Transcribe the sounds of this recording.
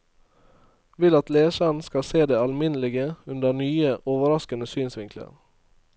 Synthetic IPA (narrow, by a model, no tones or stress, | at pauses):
ʋɪlɑt̪leːʃəɳ̩skɑseːd̪eːɑlmɪnlɪɡəʉnd̪ənyːəʔoːʋəɾɑskənəsyːnsʋɪŋklə̰ɾ